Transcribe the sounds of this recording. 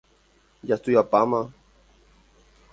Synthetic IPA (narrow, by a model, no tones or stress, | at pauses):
jast̪ujapama